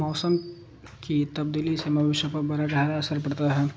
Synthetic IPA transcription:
mɔːsəm | kit̪ɐb̚d̪iːlisemɐʋɪʃwəpɐɾbɐɾaɡaːɾaɐsəɾpɐɽt̪aɦɛː

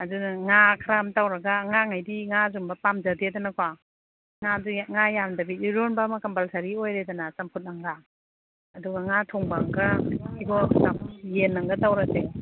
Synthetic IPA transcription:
adunŋakʰɾamtawɾɐɡaŋaŋajdiŋazumbɐpamd͡ʒadedanakwa | ŋaduŋajandɐbituɾonbamakampalsʰaɾiojɾedanasampʰut̚naŋɡaː | duɡɐŋatʰɔŋbaŋɡaiɡosamjenːɐŋɡɐtawɾase

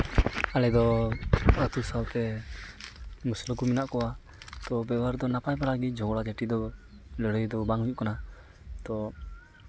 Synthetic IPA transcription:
alɛd̪ɔ | at̪usawt̪ɛ | musləkuminaʔkɔwa | t̪ɔbɛwaɾd̪ɔnapajbaɽaɡid͡ʒɔŋɡɔɽaɡɛʈid̪ɔ | ləɽəjd̪ɔbaŋuɲuʔkana | t̪ɔ

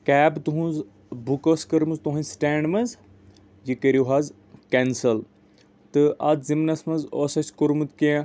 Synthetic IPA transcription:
kɛːbt̪uɦũz | bʱukoskɐɾmɨzt̪uɦɐ̃nʲsʈeːɳɖmɐz | jikɐɾoɦaːz | kensɐl | t̪ɨʔɐd̪zimnɐsmɐzoːsɐsʲkoɾmɨt̪kĩ

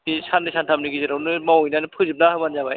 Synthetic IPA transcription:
isʰandɯsʰantʰam̚nɯɡizɯɾawnɯmawjnanɯpʰɯzɯp̚naɦɯmanzabaj

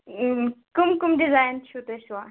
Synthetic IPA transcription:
kumkumɖɪzaːjnt͡ʃʰut̪eʃwa

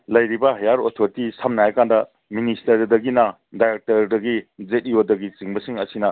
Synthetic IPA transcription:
lɐjɾibɐɦɐjaɾotʰoɾitisamnajɐkandɐ | ministɐɾdɐɡinɐ | dajɾek̚tɐɾdɐɡizet̚ijodɐɡit͡ʃiŋbɐsiŋɐsinɐ

